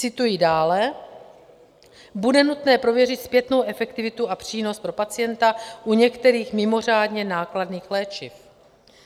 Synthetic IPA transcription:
t͡sɪt̪ujidaːlɛ | budɛnut̪nɛːpɾo̞vjɛrɪt̪spjɛt̪no̞wʔɛfɛkt̪ɪvɪt̪uapr̝̥iːno̞st̪pɾo̞pat͡sɪjɛnt̪aʔuɲɛkt̪ɛɾiːxmɪmo̞r̝aːdɲɛnaːkladniːxlɛːt͡ʃɪf

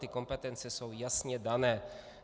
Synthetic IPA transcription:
t̪ɪko̞mpɛt̪ɛnt͡sɛso̞wjasɲɛdanɛː

